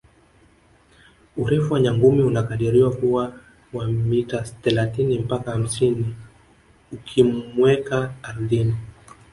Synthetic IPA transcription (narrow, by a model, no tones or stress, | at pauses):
uɾɛfuwaɲaŋɡumiunakaɗiɾiwakuwa | wamitaθɛlaθinim̩pakaham̩sini | ukʰimmwɛkaːɾuðini